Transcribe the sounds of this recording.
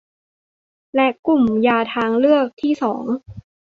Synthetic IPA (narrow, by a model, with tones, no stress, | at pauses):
lɛ˦˥ku˨˩mjaː˧t̪ʰaː˧ŋlɯ˥˩ək̚t̪ʰiː˥˩sɔː˩˦ŋ